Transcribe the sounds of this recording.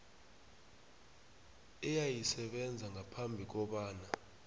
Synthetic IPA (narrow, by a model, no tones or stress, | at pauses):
ɛjajisɛɓɛnd͡zʱaŋʱapʰambʱik̬ɔɓaːna